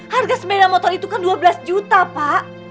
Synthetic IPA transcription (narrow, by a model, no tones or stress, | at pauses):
harɡasəmedamɔt̪ɔrit̪ukanduabəlasd͡ʒut̪apaʔ